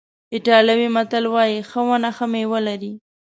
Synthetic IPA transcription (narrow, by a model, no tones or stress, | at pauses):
ɪʈɑlawimat̪alwɑjixəwanaxamewəlaɾi